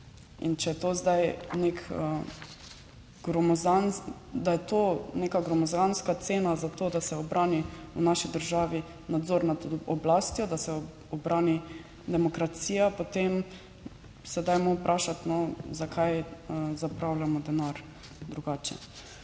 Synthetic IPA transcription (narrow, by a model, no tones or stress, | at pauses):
ḭnt͡ʃɛjɛt̪oːzd̪ajnekə | ɡ̥ɾɔmɔzan | d̪ajɛt̪oːnekaɡɾɔmɔzɡanskat̪seːnazat̪oːd̪asɛɔbɾʔaːniunaʃid̪əɾʒaːʋi | nad̪zoːɾnad̪ɔblaːst̪jɔd̪asɛ | ɔbɾaːni | d̪ɛmɔkɾat̪siːjapot̪em | sɛd̪ajmopɾʔaːʃat̪nɔzakʰajəzapɾawlamɔd̪ɛnaɾ | d̪ɾuɡaːt͡ʃɛ̰